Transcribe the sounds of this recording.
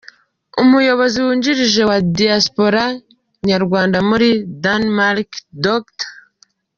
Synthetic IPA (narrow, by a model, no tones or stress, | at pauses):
umujo̞βo̞ziwuːɲɟiɾiʒe̞wadiaspo̞ɾa | ɲaɾɡwaːndamuɾidanmaɾkdokt